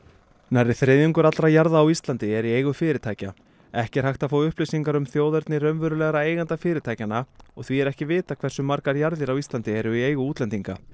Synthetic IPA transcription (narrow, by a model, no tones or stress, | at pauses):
narːɪθɾejðʏŋkʏɾat̪ɾajaɾðaːwist̪lant̪ɪɛɾieːjɣʏfɪːɾɪt̪ʰaːjca | ɛhcɛɾ̥hajht̪afaːwʏhplejsiŋkaɾʏmθjoːwðɛɾt̪nɪrœnvœɾʏlɛɣɾaeːjɣant̪afɪːɾɪt̪ʰaːjcanaɔɣθviɛɾɛhcɪvɪːt̪akʰv̥ɛr̥sʏmaɾkaɾjaɾðɪɾawist̪lant̪ɪɛɾʏieːjɣʏuːt̪lɛnt̪iŋka̰